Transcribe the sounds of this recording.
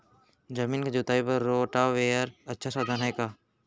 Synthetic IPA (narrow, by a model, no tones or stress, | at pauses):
d͡ʒɐmĩːnked͡ʒʊt̪aːipɐɾːoːʈaʋeːəɾɐtːʃʰasaːd̪ʱaːnaekaː